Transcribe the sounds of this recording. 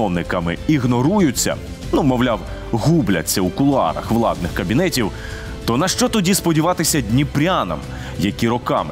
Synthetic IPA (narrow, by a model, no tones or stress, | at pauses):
ɔwnɪkɐmɪiɣnɔɾujʊt͡sʲːɐ̰ | numɔʋlʲaw | ɦublʲɐ̰t͡sʲːɐukʊlˠɑ̰ɾɐ̰xʋlˠɑ̰d̪̚nɪxkɐbʲinɛtʲiw | t̪ɔnɐʃt͡ʃɔt̪ɔdʲispɔdʲiʋɑt̪ɪsʲɐdʲnʲipɾʲanɐ̰m | jɐkʲiɾɔkɑmɪ